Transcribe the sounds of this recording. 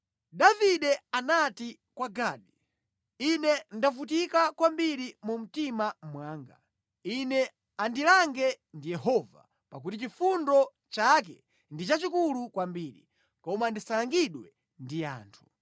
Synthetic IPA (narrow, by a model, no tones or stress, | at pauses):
ɗaviɗɛanati | kwaɡaːɗi | inɛndafut̬ikakwambiɾimum̩timamwaːŋɡa̰ | inɛ | andilaŋɡɛ | ndijɛhɔva̰ | pak̬utit͡ʃifundɔ | t͡ʃak̬ɛ | ndit͡ʃat͡ʃikulukwambiːɾḭ | kɔmandisalaŋɡiɗwɛ | ndija̰ːntʰu̥